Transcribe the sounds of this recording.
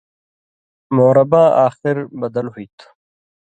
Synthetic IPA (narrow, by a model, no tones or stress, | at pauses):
moːɾɐbãːʔaːxɪɾbɐd̪ɐlɦuit̪ʰ